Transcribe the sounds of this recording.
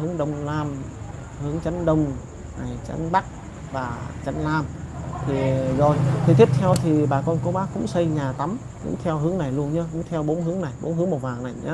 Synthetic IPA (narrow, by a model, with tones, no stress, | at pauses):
hɨ˨˦əŋɗə˧wŋ͡mlaː˧m | hɨ˨˦əŋt͡ɕə˨˦nɗə˧wŋ͡m | na˨˩jt͡ɕa̰˨˧˦nɓa˦˥k̚ | vaː˨˩t͡ɕə˧nlaː˧mt̪ʰi˨˩zo˨˩jt̪ʰi˨˩t̪i˦˥p̚t̪ʰɛ˧wt̪ʰi˨˩ɓaː˨˩kɔ˧nko˨˦ɓaː˦˥kʊ̰˧˥ŋ͡msə˧jɲaː˨˩t̪a˨˦m | kʊ̰˧˥ŋ͡mt̪ʰɛ˧wɦɨ˨˦əŋna˨˩jlu˧ənɲɨ˧kʊ̰˧˥ŋ͡mt̪ʰɛ˧wɓo˨˦nɦɨ˨˦əŋna˨˩jɓo̰˨˦nɦɨ˨˦əŋmo˨˩vaː˨˩ŋna˨˩jɲa˨˦